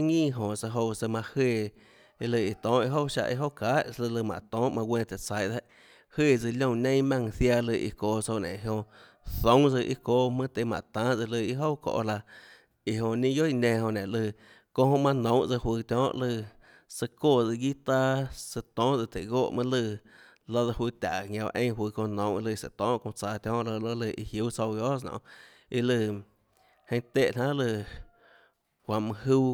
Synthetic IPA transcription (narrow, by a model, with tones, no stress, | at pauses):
ŋĩː˦˨ɦõ˧˨sa˧ɦo˧wsə˧mã˧heː˧˨˧ | lɨ˧˨i˨t̪ɔ̃ː˨˦ʔi˧ɦo˦wʃa̰˧ʔḭ˧ɦo˦wkaː˨˦ʔlɨ˧lɨ˧˨mã̰˨t̪ɔ̃ː˨˦ʔmã˧wʷẽː˧t̪e˨t͡sa˨jd̪e˦ʔ | hweː˧˨d͡zɨ˧lʲõ˧˨nẽ˦j̃mã˧ŋθja˧lɨ˧˨ʔḭ˧koː˧˨so˧nḛ̃˨ɦõ˧ | θõ˦wd͡zɨ˧ʔḭ˦koː˧˦mɨ̃˦t̪e˧˨mã̰˨t̪ãː˨˦d͡zɨ˧lɨ˧i˧ɦo˦wko̰˧ʔla˧ | i˧ɦõ˧nĩ˧jo˦i˧nẽː˧hõ˧nẽ˨ʔlɨ˧˨ | kõ˦hõ˧mã˧nõ˨˦wd͡zɨ˧hwɨː˧t̪ʲjɔ̃ː˦ʔlɨ˧˨ | sə˧koː˦˨d͡zɨ˧ɡi˦t̪a˦sə˧t̪ɔ̃ː˦ʔd͡zɨ˧˨t̪e˨ɡoː˦˨ʔmə̃˦lɨ˧ | la˦ða˧wiː˧t̪ʲa˨ŋã˧wa̰˧ʔẽ˦ɦwɨː˧kõ˧nɔ̃˨˦wʔlɨ˧sə̰˧t̪ɔ̃ː˨˦ʔkõ˧t͡sa˧t̪jɔ̃ː˦ʔlə˧lo˦lɨ˧˨ʔḭ˧hju˦t͡so˧wɡo˦s̬nɔ̰̃˧˨ | i˧lɨ˧˨ | hẽ˧˦t̪e˦˨ʔn̥ã˦lɨ˧˨ | kʷã˧˨mɨ̃˧hu˧